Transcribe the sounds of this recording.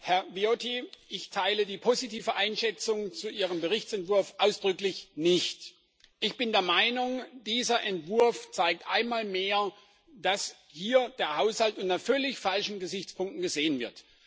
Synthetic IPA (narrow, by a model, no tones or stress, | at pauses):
hɛɐviotʰiʔɪçtʰaɪlədiːpʰozitʰiːvəʔaɪnʃɛt͡sʊŋt͡suʔiːʁəmbəʁɪçt͡sɛntv̥ʊɐfʔaʊsd̥ʁʏklɪçnɪçt | ʔɪçb̥ɪndeːɐmaɪnʊŋd̥iːzɐʔɛntv̥ʊɐft͡saɪk̚tʔa̰ɪnmaːlmeːɐ | d̥as | hiːɐd̥eːɐhaʊshaltʔʊntafœlɪçfalʃn̩ɡəzɪçt͡spʰʊŋk̚tn̩ɡəzeːənvɪɐt